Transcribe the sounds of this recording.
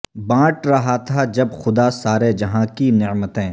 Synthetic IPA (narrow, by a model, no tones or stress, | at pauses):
bãːʈɾɐɦat̪ʰad͡ʒɐbxʊd̪asaːɾed͡ʒɐɦãkinɪʕmət̪ɦɛ̃ː